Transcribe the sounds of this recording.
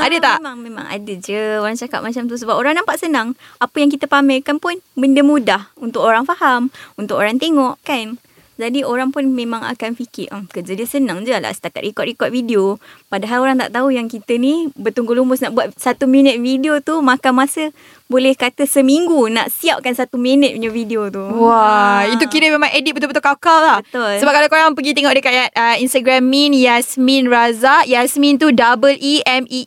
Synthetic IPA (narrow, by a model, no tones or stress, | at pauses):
adət̪aʔmaŋmẽmã̰ŋa̰dəd͡ʒəoɾaŋt͡ʃaka̰p̚mat͡ʃamt̪̬us̬əbap̚oɾaŋnampaʔsənaŋapəjaŋk̬it̪əpamɛlkanpʊnbəndəmudahunt̪ʊk̚oɾaŋfahamunt̪ʊkoɾaŋt̪eŋɔʔkan | d͡ʒadioɾaŋpʊnmẽmãŋa̰kanfikɪʔʔəkəd͡ʒadisənaŋd͡ʒəla̰ʔsə̥t̪akat̪rikɔt̪̚rikɔt̪̚fideopadaɦaloɾaŋt̪a̰ʔt̪aujaŋkit̪ənibət̪uŋɡolumbʊsnaʔbuat̪sat̪umĩnət̪̚fidiot̪umãkamãsə | bolɛhkat̪əsəmiŋɡuna̰ʔsiap̚kansat̪uminət̪̚puɲd͡ʒəfidiot̪uwait̪̬ukiɾəmemãŋʔedit̪̚bət̪ʊlbət̪ulkakallahbət̪ʊlsəbap̚kalakoɾaŋpəɡit̪eŋɔʔk̚dəkajat̪̚əinst̪aɡɾamːinjasminrazajasmĩnt̪̬udabəliɛmi